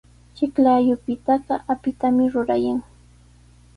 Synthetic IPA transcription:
t͡ʃɪklajʊpɪt̪ɑɢɑʔapɪt̪amɪɾʊɾajaŋ

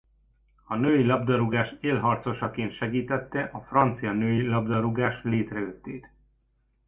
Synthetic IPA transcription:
ɒnøːjilɒbd̪ɒɾuɡaːʃeːlɦɒrt̪so̞ʃɒkeːnt̪ʃɛɡiːt̪ɛt̪ːɛʔɒfrɒnt̪sijɒnøːjilɒbd̪ɒɾuɡaːʃleːt̪rɛøt̪ːeːt̪

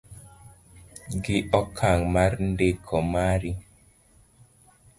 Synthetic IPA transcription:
ɡiɔkʰaŋmaɾndekʰɔmaɾi

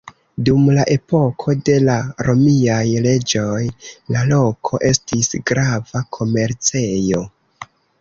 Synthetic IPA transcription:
dumlaʔe̞po̞kʰo̞de̞laɾo̞miajle̞d͡ʒo̞jlalo̞kʰo̞ʔe̞stisɡɾavakʰo̞me̞ɾt͡se̞jo̞

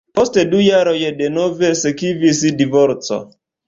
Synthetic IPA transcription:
postedujaɾojedenovesekivisidivoɾt͡so̰

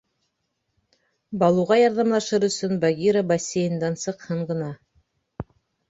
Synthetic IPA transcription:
bɑlˠuʁɑjɑɾðɑmlˠɑʃɤɾɵ̆sɵnbaɡʲiɾabɐsʲːejɤ̆nd̪ɑnsɤ̆qhɤɴɢɤ̆nɑ

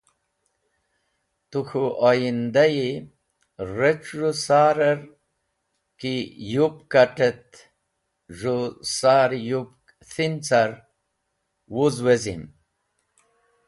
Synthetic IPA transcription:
t̪uxuʔojind̪aji | ɾet͡ʃʐusaːɾɐɾ | kijupkaʈet̪ | ʐusaːɾjupk | θint͡saɾ | wuzwezḭm

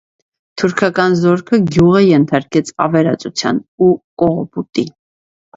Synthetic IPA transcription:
t̪ʰuɾkʰɑkɑnzɔɾkʰəɡjuʁəjɛnt̪ʰɑɾkɛt͡sʰɑ̰vɛɾɑt͡sʼut͡sʰjɑ̰nukʼɔʁɔput̪ʼi

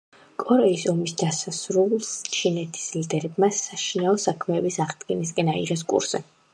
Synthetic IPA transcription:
kʼɔɾɛisɔmisd̪asasɾulˠst͡ʃʰinɛt̪ʰi̥slid̪ɛɾɛbmasaʃinaɔsakʰmɛːbisaʁd̪ɡɛnis̬kʼɛnaḭʁɛs̬kʼṵɾsɛ̰

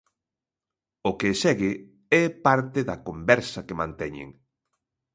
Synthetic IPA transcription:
ʊkesɛɣɪ | ɛpaɾt̪ɪðɐkombɛɾsɐkemãnt̪ɛɲḛŋ

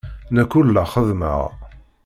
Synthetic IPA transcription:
nækʊlːaχəðmə̰ʁ

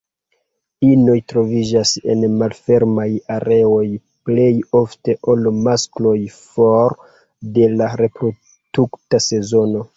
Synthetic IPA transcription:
ino̞jtɾo̞vid͡ʒase̞̰nmalfe̞ɾmajaɾe̞o̞j | ple̞jo̞fte̞ʔo̞lmasklo̞jfoɾ | de̞laɾe̞pɾo̞ | d̥uktase̞zo̞no̞

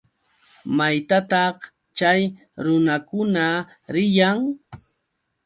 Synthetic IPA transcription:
majt̪at̪ɑχ | t͡ʃaj | ɾʊnakʊna | ɾɪjaŋ

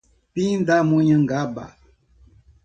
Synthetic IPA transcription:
pindamoɲəŋ̩ɡaba̰

